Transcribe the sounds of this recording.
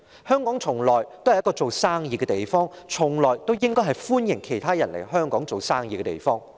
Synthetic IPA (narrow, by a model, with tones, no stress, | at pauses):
hœː˥ŋkɔː˨˥ŋt͡sʰʊ˨˩ŋlɔː˨˩jt̪o˥whɐ˨jɐ˥kɔː˧˥t͡so˨wsaː˥ŋjiː˨˧kɛː˧t̪e˨jfɔː˥ŋ | t͡ʃʰʊ˨˩ŋlɔː˨jt̪o˥wjɪ˥ŋkɔː˥jɦɐ˨˩jfuː˥njɪ˨˩ŋkʰe˨˩jt̪ʰaː˥jɐ˨˩nlḛ˨˩jɦœː˥ŋkɔː˨˥ŋt͡so˨wsaː˥ŋjiː˨˧kɛ˧t̪ḛ˨jfɔː˥ŋ